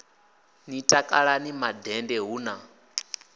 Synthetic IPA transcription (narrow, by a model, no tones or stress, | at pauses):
nitʼakʼaɺanimadɛndɛɦuːna